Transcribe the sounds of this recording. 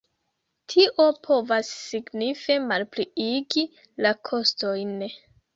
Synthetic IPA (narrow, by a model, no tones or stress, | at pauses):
tʰiʔo̞pʰo̞vasːiɡnife̞malpliiɡi | lakʰo̞sto̞jn